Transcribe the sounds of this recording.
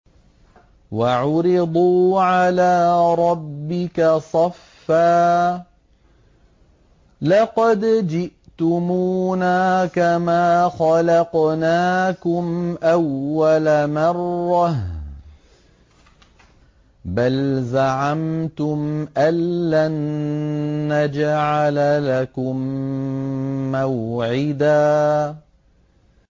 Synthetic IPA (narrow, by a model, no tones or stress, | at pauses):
waʕʊɾɪd̪ˤuːʕalaːɾˤɑbːɪkasˤɑfːaː | lɑqɑd̪d͡ʒɪʔt̪ʊmuːnaːkamaːxɑlɑqnaːkʊmʔawːalamɑrˤːɑh | balzaʕamt̪ʊmʔalːanː | ad͡ʒaʕalalakʊm | awʕɪd̪aː